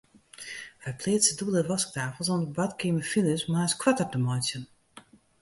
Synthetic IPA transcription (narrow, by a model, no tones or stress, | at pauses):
fɛpʰleːtsədublˠəʋɔsk̚taːfəl̩ˠsɔnəbatkɪməfilˠəsmaːskʰwatərdəmɔjtjən